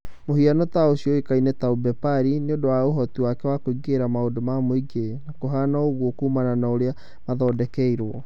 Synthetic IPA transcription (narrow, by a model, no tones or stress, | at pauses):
mohianɔtaoɕiɔekainɛtaubɛpaɾineodowaoɦɔtiwakɛwakoiɡeɾamaodomamoiɡenakoɦaːnaoɣwɔkuːmananaoɾea | maðɔdɛkɛiɾwɔ